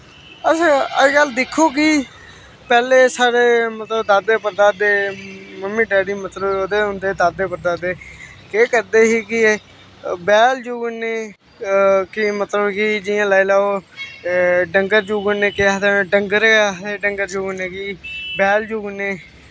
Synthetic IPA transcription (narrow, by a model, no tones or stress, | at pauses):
əsãəɡəld̪ɪkʰːoːkɪ | pɛːleːsaːɾeːmət̪ləbd̪aːd̪eːpəɾd̪aːd̪eːməmːĩːɖɛːɖiːmət̪ləboːd̪eːʊ̃nd̪eːd̪aːd̪eːpəɾd̪aːd̪eː | keːkəɾd̪eːɦiːkɪ | bɛːld͡ʒuːɡneː | kɪmət̪ləbkɪd͡ʒɪãːlaːilaːoː | ɖəŋɡəɾd͡ʒuːɡneːkɪat̪ãːɖəŋɡəɾeːɖəŋɡəɾd͡ʒuːɡneːkibɛːld͡ʒuːɡneː